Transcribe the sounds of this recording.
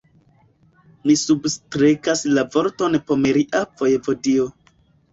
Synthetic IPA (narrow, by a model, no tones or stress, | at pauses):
misubstɾekaslavo̞ɾtonpomeɾiʔavojevo̞dio